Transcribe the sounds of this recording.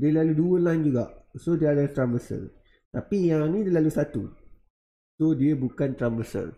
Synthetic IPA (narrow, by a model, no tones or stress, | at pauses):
diəlaluduəlãjnd͡ʒuɡa̰ʔsodiəadalt̪ɾanbəsə̰r | t̪apijaŋnĩdiəlalusat̪u | sodiəbukant̪ɾanbəsə̰r